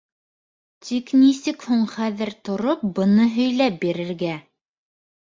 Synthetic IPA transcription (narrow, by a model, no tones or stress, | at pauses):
t̪ʰiknisɘkhuɴχæðɘɾt̪ŏɾop̚bɤ̆nɤɦɵ̆jlæp̚biɾɘ̆ɾɡæ